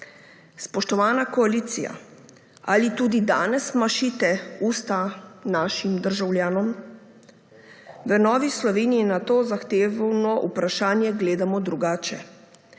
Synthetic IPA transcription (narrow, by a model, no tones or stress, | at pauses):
spɔʃt̪ɔʋaːnakɔaliːt̪sija̰ | alit̪uːd̪id̪a̰ːnɛsmaʃiːt̪ɛuːst̪anaːʃimd̪əɾʒawlʲjaːnɔm | ʋənɔːʋislɔʋeːniinat̪oːzaxt̪eːʋnɔʔupɾaʃaːnjɛɡleːd̪amɔd̪ɾuɡaːt͡ʃɛ